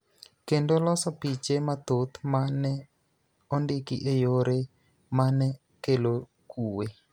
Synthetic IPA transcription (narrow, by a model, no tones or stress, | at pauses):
kendolɔsɔpit͡ʃemat̪ot̪manɛ | ɔndikḭʔejoɾe | manɛ | kelo | kʰuwe